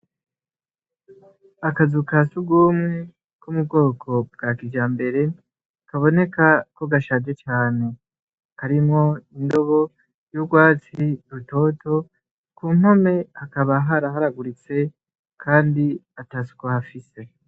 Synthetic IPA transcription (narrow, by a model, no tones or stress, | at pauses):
akazukasuɡuːmŋe̞ | kumub̚ɡo̞ːkʰo̞bɡ̥akid͡ʒaːmbe̞ɾe̞ | kaβo̞ne̞kako̞ɡaʃaːd͡ʒet͡ʃaːne̞ | kaɾimŋo̞indo̞βo̞ | juɡwaːt͡siɾuto̞to̞ | kuːm̥ho̞me̞hakaβaɦaɾaɦaɾaɡuɾit͡se̞ | kʰaːndiatasu̥kahafise̞